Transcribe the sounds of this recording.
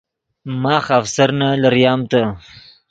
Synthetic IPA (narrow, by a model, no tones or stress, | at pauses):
mɑːxafsaɾnalaɾjɑːmt̪a